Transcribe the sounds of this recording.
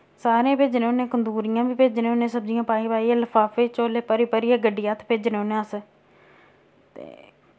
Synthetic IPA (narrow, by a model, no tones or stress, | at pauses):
saːɾẽːpeːd͡ʒneːoːnẽːkənd̪uːɾɪjãːbiːpeːd͡ʒnẽːonẽːsəbzɪjãːpaːiːpaːiːeːləfʰaːpeːt͡ʃoːleːpəɾiːpəɾɪːaːɡəɖːɪjaːt̪ʰpeːd͡ʒneonẽːəs | t̪ḛː